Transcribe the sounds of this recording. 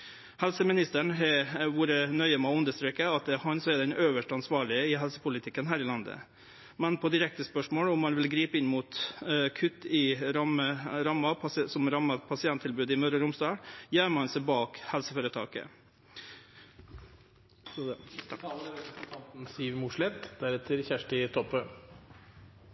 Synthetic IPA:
hɛlsəmɪnɪst̪əɳɦɛʋuːɾənœʏəmɑʉnd̪əʂt̪ɾeːkəɑt̪̚d̪hɑnsɔɛd̪ɛnøːʋəʂʈɑnsʋɑːɭɪəɪɦɛlsə̥pʰʊlɪt̪ʰɪkːənɦæːɾɪlɑnd̪ə̰ | mɛnpʰɔd̪ɪɾɛk̚t̪əspœʂmoːlɔmhɑnʋɪlɡɾiːpəɪnːmuːt̪kʰʉt̪ːɪɾməɾɑmːɑsɔmɾɑmːɑpʰɑsɪɛnt̪ʰːɪlbʉːd̪ɪmœɾəɾʊmsd̪ɑːɽjæːməɑnsɛɪbɑːkhɛlsəfoːɾət̪ʰɑ̰ːkə̰ | əɾɛpɾəsnt̪ʰɑnt̪n̩siːʋmʊʂlɛt̪d̪̥æɾɛt̪ʰəɾçæʂʈɪt̪ʰɔpø

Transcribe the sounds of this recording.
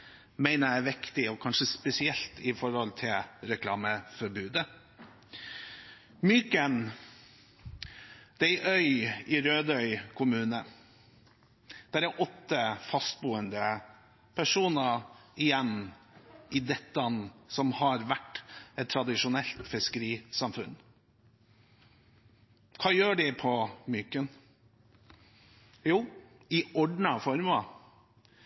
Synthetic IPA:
mæɪnəɾæɾʋɪkt̪ɪɔkʰɑnʂəspɛsɪɛlt̪ɪfɔɾhɔlt̪ʰɪlɾɛkʰlɑːməfɔɾbʉːd̪ə | myːkən | d̪̥ɛɪʔœʏɪɾøːd̪œʏkʰʊmʉːnə | d̪̥æɾæʔɔt̪ːəfɑst̪̚buːənd̪ə | pʰæʂuːnəɪjɛnː | ʔɪd̪ɛt̪ːɑnsɔmhɑɾʋæʈːɛt̪t̪ʰːɾɑd̪ɪʂʊnɛlt̪fɪskəɾiːsɑmfʉnː | kʰɑːjøːɖɛpʰɔmyːkən | juː | ɪɔɖɳɑfɔɾmɑ

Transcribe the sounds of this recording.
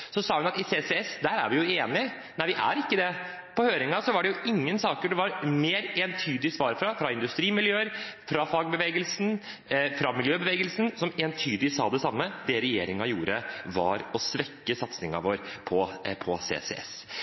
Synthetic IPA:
sɔsɑːhʉnɑt̪ɪseːsɛɛsd̪æɾæ̰ɾʋɪjʊeːnɪ | næɪʋɪʔæ̰ɾɪkːəd̪ɛ | pʰɔhøːɾɪŋɑsɔʋɑɖɛjʊɪŋːənsɑːkəɖɛʋɑɾmeːɾeːnt̪ʰyːd̪ɪsʋɑːɾfɾɑfɾɑɪnd̪ʉst̪ɾiːmɪljøːəɾfɾɑfɑɡbəʋeːɡəlsn | fɾɑmɪljøːbəʋeːɡəlsn̩sɔmeːnt̪ʰyːd̪lɪsɑ̰ːd̪ɛsɑmːəd̪ɛɾɛjḛːɾɪŋɑjṵːɾəʋɑ̰ɾɔsʋɛkːəsɑt̪snɪŋɑ̰ʋoːɾpʰɔpʰɔsḛːsɛ̰ɛ̰s

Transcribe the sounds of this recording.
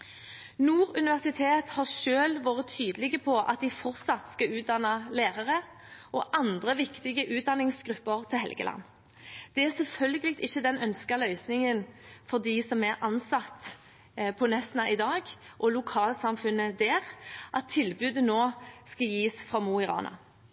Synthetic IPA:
nuːɾʉnɪʋæʁsɪt̪ʰeːt̪hɑʁʂøːlʋɑːʁət̪ʰːyːd̪əlɪɡəpʰɔʔɑ̰t̪̚d̪ɪfɔʁt̪sɑt̪skɑʉːt̪̚d̪ɑnəleːʁəʁə | ʔɔʔɑnd̪ʁəʋɪkt̪ɪɡəʔʉːt̪̚d̪ɑnɪŋsɡ̥ʁʉpːəʁt̪ʰɪlɦɛ̰lɡə̰lɑ̰nː | d̪̥ɛæɾsɛlfœlɡəlɪk̚t̪ɪçːəd̪ɛnœnskəlœʏsnɪŋənfɔd̪ɪsɔmæɾɑnsɑt̪ː | pʰɔnɛsnɑʔɪd̪ɑːɡʔɔlʊkʰɑːlsɑmfʉnːəd̪æːʁʔɑt̪ʰːɪlbʉːd̪ənoːskɑjiːsfʁɑmuɪʁɑ̰ːnɑ̰

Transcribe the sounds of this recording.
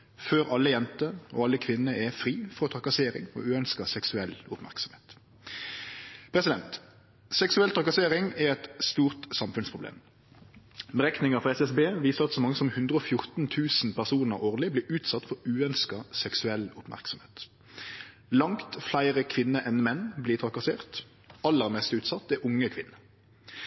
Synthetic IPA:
føːɾʔɑlːəjɛnt̪əɔ̰ːɑlːəkʰʋɪnːəɛfʁiːfɔʁɔt̪ʰʁɑkɑseːɾɪ̰ŋɔ̰ːʉːœnskəsɛksʉɛlʊpmæ̰ʁksɔmeːt̪ | pʰʁɛsɪd̪ɛnt̪ | sɛksʉɛlt̪ʰɑkɑseːʁɪŋɛʁɛt̪st̪uːʁt̪sɑmfʉnspʰʁʊblḛːm | bəʁɛknɪŋəfɔʁɛsɛsbeːʋiːsəʁɑt̪sɔmɑŋːəsɔmhʉnd̪ʁəɔːfjʊʁt̪nt̪ʰʉːsn̩pʰæʁsuːnəʁʔoːʁlɪbliːɾʉːt̪sɑt̪ːfɔɾʉːœnskɑsɛksʉɛlʊpmʔæ̰ʁksɔmheːt̪ | lɑŋt̪flæɪʁəkʰʋɪnːəʔɛnmɛnːbliːt̪ʰʁɑkɑseːʁt̪ | ɑlːəʁmɛst̪ʉːt̪sɑt̪ːɛʊŋːəkʰʋɪnːə

